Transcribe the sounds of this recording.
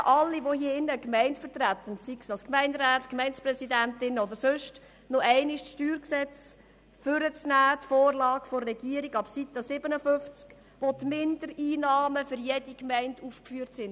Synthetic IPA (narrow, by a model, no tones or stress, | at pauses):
ʔɑlːiʋohiəɪnːəkmɛɪntfət̪ræt̪ːənsiksɑlskmɛɪndɾæːtkmɛɪnt͡sprɛsidæntɪnɔd̪əɾsøʃt | nɔɛɪnɪʃʃtyːɾksɛt͡s | fʏɾət͡snæːt̪foːrlɑːɡfɔrːɛɡ̥iːəɾiɡɑb̥sit̪əsɪbənəføft͡sk | ʋotmɪnd̪əɾiːnɑːməfʏɾjed̥ikmɛɪnduːfkfyːɾtsɪn